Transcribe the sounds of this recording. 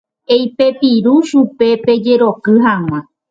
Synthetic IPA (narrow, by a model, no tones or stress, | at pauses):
ejpe̞piɾuʃupe̞pe̞d͡ʒe̞ɾokɨɦaw̃ã